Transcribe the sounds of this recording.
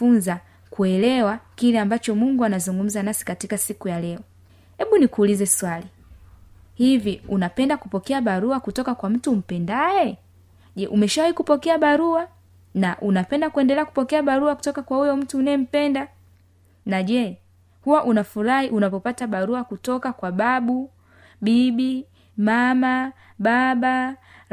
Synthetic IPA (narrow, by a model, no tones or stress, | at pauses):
funza | kuɛlɛwakilɛambat͡ʃɔmuŋɡuanazuŋɡum̩zanasi̥katikasikujalɛɔ | hɛɓunikuːlizɛswali | hiviunapɛndakupɔkɛaɓaɾuakutɔkakwam̩tum̩pɛndajɛ | ʄɛʔumɛʃawahikupɔkɛaɓaɾua | naʔunapɛndakuɛndɛlɛaku̥pɔkɛaɓaɾuaku̥tɔkakwaujɔm̩tuːnaɛm̩pɛnda | naʄɛ | huwaʔunafuɾahiʔunapɔpataɓaɾuakutɔkakwaɓaɓu | ɓiɓi | mama | ɓaɓa